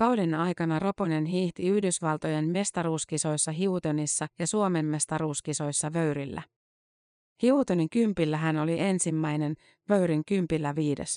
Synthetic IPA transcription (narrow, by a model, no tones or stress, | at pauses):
kɑwlinɑjkɑnɑro̞pone̞nɦiːht̪iyhdysʋɑlt̪oje̞nme̞st̪ɑɾuːskiso̞jsːɑɦiut̪ønisːɑjɑsuome̞mːe̞st̪ɑɾuːskiso̞jsːɑʋø̞ɥɾilːæ̰ | hiut̪øniŋkympilːæɦæno̞liʔe̞nsimːæjne̞n | ʋø̞ɥɾiŋkympilːæʋiːde̞̰s